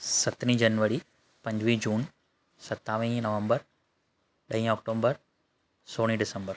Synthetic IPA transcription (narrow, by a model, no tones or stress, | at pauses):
sɐt̪nĩd͡ʒɐnʋəɾi | pɐ̃ɲd͡ʑʋid͡ʒuːn | sɐt̪ːaːʋĩnɐʋə̃mbəɾ | ɗɐĩɔːk̚ʈoːmbəɾ | soːɽ̃ĩɖɪsəmbəɾ